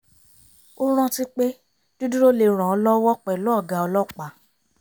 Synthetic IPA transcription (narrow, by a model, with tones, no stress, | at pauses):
o˦ɾ̃ã˦ti˦k͡pe˦ | d̥u˦du˦ɾo˦le˧˨ɾ̃ã˨ɔ˧lɔ˦wɔ˦k͡pɛ˨lɔ˦ɔ˦˨ɡa˨ɔ˧lɔ˦˨k͡pa˨